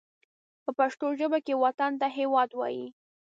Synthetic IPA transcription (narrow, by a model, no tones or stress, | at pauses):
pəpaʃt̪oʒəbakewat̪and̪aɦewɑd̪wɑ̰ji